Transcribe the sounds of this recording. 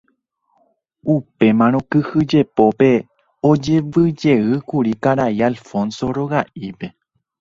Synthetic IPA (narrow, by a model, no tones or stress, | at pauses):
upe̞mãɾ̃õkɨhɨd͡ʒe̞po̞pe̞ | od͡ʒe̞ʋɨd͡ʒe̞ɨkuɾikaɾaialfõ̞nso̞ɾo̞ɣaʔipe̞